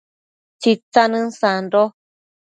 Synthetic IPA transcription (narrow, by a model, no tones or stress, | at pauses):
t͡ʃit͡sanɨ̃nsanɾo